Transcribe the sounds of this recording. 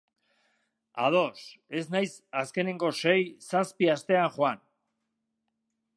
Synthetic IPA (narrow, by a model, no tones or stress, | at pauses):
a̰ð̞o̞se̞znajsaske̞ne̞ŋɡo̞se̞jsaspiast̪e̞aŋxoan